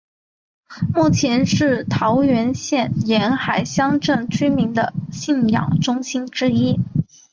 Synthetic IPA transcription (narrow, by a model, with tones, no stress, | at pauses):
mu˥˩t͡ɕʰjɛ˧˥nʂɻ̩˥˩t̪ʰɑ˧˥ʊɥɛ˧˥nɕjɛ˥˩njɛ˧˥nxa˨˩ɪɕjɑ˥ŋʈ͡ʂɤ˥˩ŋt͡ɕʰy˥mi˧˥ŋd̪ə˧ɕi˥˩njɑ̰˨˩ŋʈ͡ʂʊ˥ŋɕi˥nʈ͡ʂɻ̩˥i˥